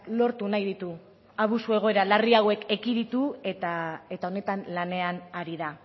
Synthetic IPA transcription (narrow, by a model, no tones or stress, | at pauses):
lo̞ɾt̪unajðit̪u | aβ̞usue̞ɣ̞o̞e̞ɾalariawe̞ke̞kiðit̪uet̪ae̞t̪ao̞ne̞t̪anlane̞anaɾiða